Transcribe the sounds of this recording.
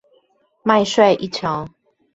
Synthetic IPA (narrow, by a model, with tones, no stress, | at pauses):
ma˥˧ɪʂwe˥˧ɪʔi˥˦˨t͡ɕʰjo˨˦ʊ